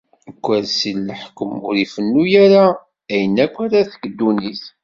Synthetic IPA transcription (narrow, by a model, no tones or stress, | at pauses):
əkʷːəɾsilːəħkəmʊɾifənːujæɾa | æjənːækʷːæɾæθə̥kəd̪ːuniθ